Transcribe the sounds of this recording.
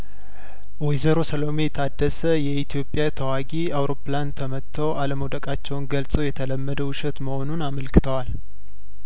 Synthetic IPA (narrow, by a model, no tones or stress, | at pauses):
wɛjzəɾo̞səlome̞t̪ʰad̪ːəsəjɛit̪ʰijo̞pʼːjat̪ʰəwaɡiawɾo̞plant̪ʰəmət̪ʰːəwʔaləməwd̪əkʼat͡ʃːɛwnɡəlsʼəwjɛt̪ʰələmːəd̪əwʃɛt̪məho̞nunaməlkɨt̪ʰəwal